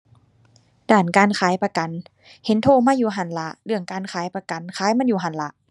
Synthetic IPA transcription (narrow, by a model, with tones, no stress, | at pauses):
daː˨˩nkaː˨˧˨nkʰaː˨˦jpa˧ka˨n | he˨˦nt̪ʰoː˧˨maː˧˥˨juː˧˩ɦa˧˩nla˧ʔlɯ˧əŋkaː˨nkʰaː˨˦jpa˧ka˨nkʰaː˨˦jma˧˥˨njuː˧˩ɦa˧˩nla˧